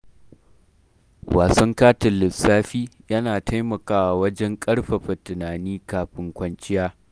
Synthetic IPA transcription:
wa̰ː˨sɐ˦ŋkaː˦tɪ˨lɪ˨saː˦ɸiː˦jɐ˦naː˨tʰa˦jmɐ˨kaː˦wa˨wɐ˦d͡ʒɛ˦ŋkʼɐ˦ɽɸɐ˨ɸɐ˨tɪ˨naː˨niː˦kaː˨ɸɪ˨ŋkʷɐ˦nt͡ʃʼɪ˦jaː˦

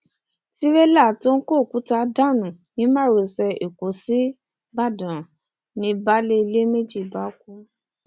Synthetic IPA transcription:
ti˦we˦la˦˨to˦n̩˦ko˦˨ku˨˦ta˧˦da˦˨nũ˨nĩ˨˦mã˦˨ɾo˨sɛ˧e˨ko˨˦si˦ | ba˦˨dã˨ | nĩ˧ba˦le˦i˧le˦me˦d͡ʒi˦˨ba˨˦ku˦

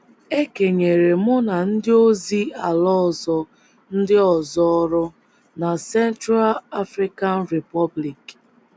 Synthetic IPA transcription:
e˦ke˨ɲe˨ɾe˨mʊ˦na˨n̩˦dɪ˦o˦zi˦a˨lɔ˦˨zɔ˦ | n̩˦dɪ˦ɔ˨zɔ˦ɔ˦ɾʊ˦ | na˨sɛ˦ntɾa˦la˦fɾi˦ka˦nɾe˨pɔ˦bli˨k

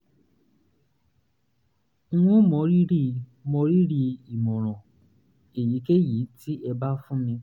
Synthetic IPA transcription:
w̃ɔ̃˦mɔ̃˨˦ɾi˦ɾi˦mɔ̃˧˦ɾi˦ɾi˦i˨mɔ̃˨ɾ̃ɔ̃˨ | e˨ji˨˦ke˦ji˨˦ti˦ʔɛ˧ba˦fũ˦mĩ˧

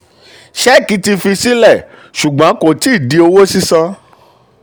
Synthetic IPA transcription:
ʃɛ˦ki˨˦ti˧fi˧si˦lɛ˦˨ | ʃu˨ɡ͡bã˨˦ko˦˨ti˦i˦˨di˨˦o˧wo˦si˦sã˧

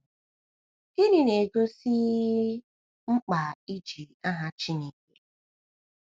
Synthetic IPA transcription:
i˦ɾi˨ne˨ɡo˦si˦ | ŋ͡m̩˦k͡pa˨i˦d͡ʒi˨a˦ɦa˦t͡ʃi˦ni˨ke˨

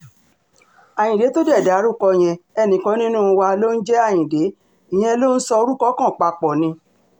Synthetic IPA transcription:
a˨j̃ĩ˨de˨˦to˦dɛ˦˨da˨˦ɾu˦˨kɔ˧˨j̃ɛ̃˧ɛ˧˨nĩ˨kɔ̃˨˦nĩ˦nũ˦˧wa˧lo˦n̩˦d͡ʒɛ˦a˦˨j̃ĩ˨de˨˦ | i˨j̃ɛ̃˧lo˦n̩˦sɔ˧o˧ɾu˦kɔ˦kã˦˨k͡pa˧k͡pɔ˨nĩ˧˦

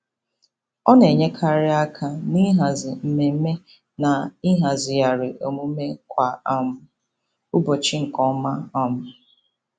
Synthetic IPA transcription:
ɔ˦ne˨ɲe˦kʰa˨ɾɪ˦a˦kʰa˨ni˦ɦa˨zɪ˨m̩˨me˨m̩˦me˦ | na˨i˦ɦa˨zɪ˨ja˨ɾɪ˨ʔo˨mu˦me˦kʷa˨a˦˨mʊ˦ | u˦bo˨t͡ʃɪ˦ŋ̩˨kɔ˦ma˦ɔ˦mʊ˨

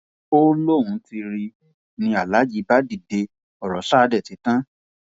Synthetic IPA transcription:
o˦lo˦˨wũ˨˦ti˧ɾi˧ | nĩ˧a˨la˨˦d͡ʒi˨˧˦ba˦di˨de˧ | ɔ˨ɾɔ˨˦ʃa˦˧dɛ˦˨ti˨˦tã˦

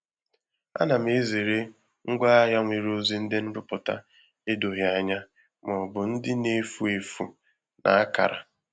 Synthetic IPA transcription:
a̰˦na˨m̩˦e˦ze˨ɾe˦ | ŋ̩˦ɡʷa˦ɦa˦ŋʷe˨ɾo˦zi˦n̩˦dɪ˦n̩˦dʊ˦pʊ˨ta̰˦ | e˦do˨ɦja˦˨ɲa˦ | m˨ɔ˨bʊ˨n̩˦dɪ˦ne˨fu˨e˨fṵ˨ | nʔa̰˨a˦ka̰˨ɾa̰˨

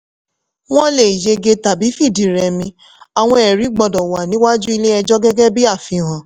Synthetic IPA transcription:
w̃ɔ̃˦le˨i˨je˧ɡe˧ta˨bi˨˦fi˦˨di˨ɾɛ˨mĩ˧ | a˨w̃ɔ̃˧ɛ˨ɾi˨˦ɡ͡bɔ˧dɔ˨wa˨nĩ˨˦wa˦d͡ʒu˦i˧le˦ɛ˧d͡ʒɔ˦ɡɛ˦ɡɛ˦bi˦a˦˨fĩ˧ɦã˨

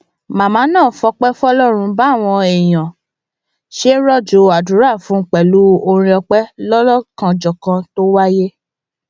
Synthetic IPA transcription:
mã˨mãː˨˦nãː˦˨˦fɔ˧k͡pɛ˦fɔ˦lɔ˦˨ɾ̃ũ˧˦ba˨˦˨w̃ɔ̃˧ɛ˨j̃ã˨ | ʃe˦ɾɔ˦˨d͡ʒo˨a˨du˨˦ɾa˦˨fũ˦k͡pɛ˨lu˨˦o˧ɾ̃ĩ˧ɔ˧k͡pɛ˦lɔ˦lɔ˦˨kã˧d͡ʒɔ˨kã˧to˦wa˦je˦

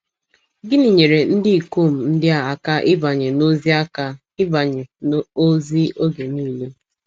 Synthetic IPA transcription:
ɡɪ˦ni˨ɲe˨ɾe˨n̩˦dɪ˦i˨ko˦˨m̩˨n̩˦dɪ˦a˦˨a˨ka˦ʔɪ˦ba˨ɲe˨no˦zi˦a˦ka˦ | ɪ˦ba˨ɲe˨n˦o˦zi˦o˦ɡe˨niː˦˨le˦

